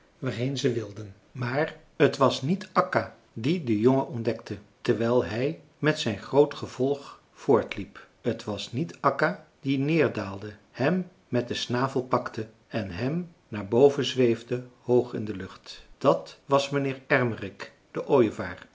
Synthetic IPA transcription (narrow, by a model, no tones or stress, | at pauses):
ʋaːrejnzəʋɪlˠdən | maːr | ətʋɑsnitʔɑka | didəjoŋəʔɔndɛktətəɹʋɛjlˠɦɛj | mɛtsɛjnχrowtχəv̥ɔlˠχ | fʊːɹtlip | ətʋɑsnitɑka | d̥inɪːɹdaːlˠdə | hɛmː | ɛt̚dəsnaːvəlˠpɑktʰə | ɛnɦɛm | naːɹbowvənzʋejvdəhowχɪ̰ndəlɵχtd̥ɑtʋɑsmənɪːɹɛɹmərɪk | d̥əʔoːjvaːɹ